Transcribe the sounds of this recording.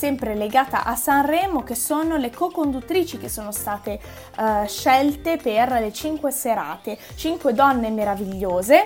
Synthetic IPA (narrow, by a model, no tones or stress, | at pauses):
sɛmpɾeleɡaːt̪a̰ʔasːanrɛːmok̟esoːnolekokond̪ut̪ːɾiːt͡ʃik̟esːoːnost̪aːt̪e | ʃɛlt̪eperlet͡ʃiŋkweseɾa̰ːt̪e | t͡ʃiŋkwed̪ɔnːemeɾaviʎːoːze